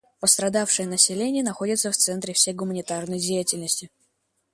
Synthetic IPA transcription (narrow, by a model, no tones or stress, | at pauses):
pəst̪ɾɐd̪afʂɨjənəsʲɪlʲenʲɪjənɐxo̞dʲɪt̪səft̪sɛnt̪ɾʲɪfsʲejɡʊmənʲɪt̪arnəjdʲejɪtʲɪlʲnəsʲtʲɪ